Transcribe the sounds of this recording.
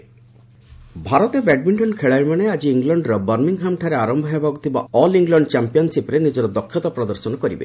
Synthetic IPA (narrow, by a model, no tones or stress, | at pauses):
bʱaɾɔt̪ebɛɖ̚biɳʈɔnkʰeɭajɾmanead͡ʒiːŋɡlɔɳɖɾɔbaɾmiŋɦamʈʰaɾeaɾɔmbʱɔjabʱaɡut̪ʰiba̰ɔliŋɡlɔɳɖt͡ʃampijɔnsipɾenid͡ʒɔɾɔd̪ɔkʰːjɔt̪ɔpɾɔd̪ɔɾsɔnɔkɔɾibḛ